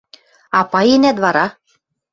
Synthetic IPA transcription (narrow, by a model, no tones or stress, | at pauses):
ɑpɑjenæt̪βɑɾɑ